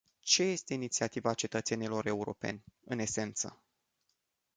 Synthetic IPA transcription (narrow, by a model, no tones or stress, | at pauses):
t͡ʃe̞je̞st̪e̞init̪siat̪ivaːt͡ʃe̞t̪ət̪se̞nilo̞ɾe̞uɾo̞̰pe̞̰nʲɨne̞se̞nt̪sə̰